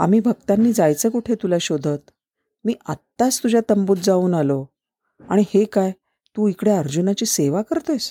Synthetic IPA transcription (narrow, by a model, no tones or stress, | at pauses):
a̰m̤iːbʱəɡ̚t̪anːiːd͡zajt͡səkuʈʰet̪ulaɕod̪ʱət̪ | miːʔa̰t̪ːast̪ud͡ʑʱat̪əmbut̪̚d͡zauːnalo | a̰ɽ̃ihekaj | t̪uːikɽeəɾd͡ʑunat͡ɕiːseʋakəɾt̪əs